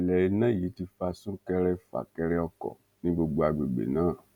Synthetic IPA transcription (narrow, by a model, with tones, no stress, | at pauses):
lɛ˨i˨˦nã˦˨ji˨˦ti˧fa˧sũ˦kɛ˧ɾɛ˧fa̰˨kɛ˧ɾɛ˧ɔ˧kɔ̰˨ | nĩ˦ɡ͡bo˧ɡ͡bo˧a˨ɡ͡be˨ɡ͡bḛ˨nãː˦˨